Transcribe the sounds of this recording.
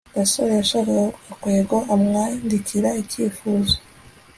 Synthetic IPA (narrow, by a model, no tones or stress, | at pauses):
basojaʃakajoakweːɡoamŋandiciɾaiciːfuːzo